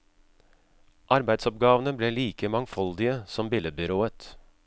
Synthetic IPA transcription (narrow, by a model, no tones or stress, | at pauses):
ʔɑɾbæɪd̪sɔp̚ɡɑːʋən̩əbleːliːkəmɑŋfɔld̪ɪəsɔmbɪləbʏɾoːət̪